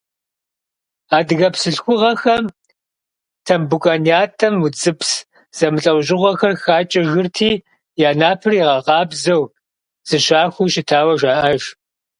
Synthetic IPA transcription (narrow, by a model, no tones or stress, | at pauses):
aːdɨɣɐpsɨɬxʷʊʁɐxɐm | tʰɐmbukʷʼaːnijaːtʰʼɐmut͡sʼɨps | z̥ɐmɨɬʼɐwʑɪʁʷɐxɐrxaːt͡ʃʼɐɣɨrtʰiː | jaːnaːpʰɨriʁɐqɑːbzɐw | z̥ɨɕaːxʷuːʃɪtʰaːwɐʒaːʔɐʒ